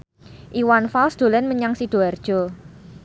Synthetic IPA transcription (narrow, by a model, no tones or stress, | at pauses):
ʔiwanfalsd̪̥o̤lɛnməɲaŋsid̪̥o̤ard̥ʒ̥ɔ̤